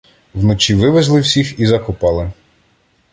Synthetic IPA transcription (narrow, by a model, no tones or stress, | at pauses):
wnɔt͡ʃiʋɪʋezlˠɪwsʲixizɐkʊpɑlˠɪ